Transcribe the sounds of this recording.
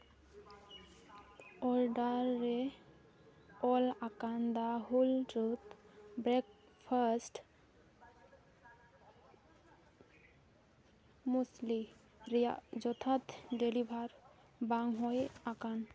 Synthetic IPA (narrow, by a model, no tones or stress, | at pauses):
ɔɹɖaɹːɛ | ɔlakand̪aɦulɹut̪bɹɛk | pʰasʈ | musli | azɔt̪ʰat̪delibʱaɹ | baŋɦɔjakan